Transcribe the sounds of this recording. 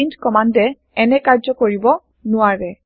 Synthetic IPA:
intkɔmandɛ | ɛnɛkaɹzɔkoɹibɔ | nʊwaɹɛ

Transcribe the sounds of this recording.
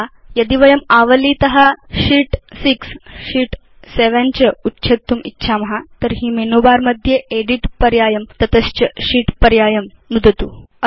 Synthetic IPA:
jɐd̪iʋəjəmaʋəliːt̪ɐɦaɕiːʈsiksɕiːʈ | seʋant͡ɕəutːɕʰet̪ːumitːɕʰamɐɦat̪əɾɦiːmenobaɾməd̪ʱːjeʔeɽiʈpɐɾjajəmt̪ɐt̪əst͡ɕəɕiːʈpəɾjajəm | nud̪ʱət̪u

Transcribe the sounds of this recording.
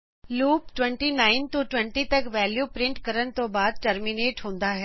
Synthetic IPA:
luːpʈʋɛ̃ɳʈinaːɪnt̪uʈwɛ̃ɳʈit̪ɐkʋɛːljuːpɾɪ̃ɳʈkɐɾəñɪ̆t̪obaːd̪̚ʈɐɾmineːʈɦõːn̆d̪aɦɛː

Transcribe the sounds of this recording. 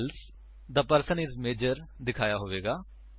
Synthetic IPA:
ls | d̪aːpəɾsənɪsmeːd͡ʒəɾd̪ɪkʰaːjaːɦoːʋeːɡaː

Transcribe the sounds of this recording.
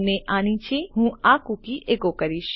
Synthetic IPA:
neʔaːñĩt͡ʃʰeɦũakukiʔeːkokəɾiʃ

